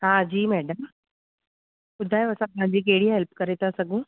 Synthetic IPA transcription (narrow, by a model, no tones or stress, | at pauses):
ɦãd͡ʑiːmɛːɖəm | kʊd̪ʱaːjəsãpʊɦãɲd͡ʑiːk̬eɽiːɦelpkəɾet̪asəɡũː